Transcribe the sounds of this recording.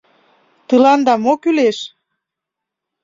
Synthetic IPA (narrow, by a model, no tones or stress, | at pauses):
t̪ɨlɑnd̪ɑmokyleʃ